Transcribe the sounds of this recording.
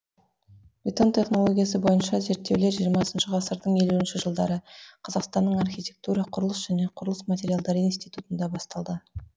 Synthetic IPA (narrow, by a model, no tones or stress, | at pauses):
bʲit̪o̞nt̪ʰʲe̞χno̞lˠo̞ɡʲijas̬əbo̞jənʃɑze̞ɾt̪ːe̞wle̞ɾʒijəɾmɑsənʃəʁɑsəɾd̪əɴe̞luɪnʃɪʒəlˠd̪ɑɾəqʰɑzɑqst̪ɑnːəɴɑrxʲitʲe̞k̚t̪uɾɑqʰʊɾəlˠəsʒæne̞qʰʊɾəlˠəsmat̪ʲe̞ɾijalˠd̪ɑɾəinst̪ijt̪ut̪ənd̪ɑbɑst̪ɑlˠd̪ə